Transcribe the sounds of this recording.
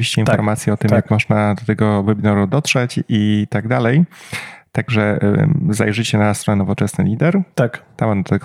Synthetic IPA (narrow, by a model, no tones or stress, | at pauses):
vʲiɕt͡ɕɛinfɔɾmat̪sʲjɛɔt̪ɘmjakmɔʐnad̪ɔt̪ɛɡɔvɛbʲinɔɾud̪ɔt̪ʂɛt͡ɕit̪aɡd̪alɛjt̪aɡʐɛza̰jʐɘt͡ɕɛnast̪ɾɔnɛnɔvɔt͡ʂɛsnɘlʲid̪ɛɾt̪akt̪amɔnd̪ɔt̪ɛɡ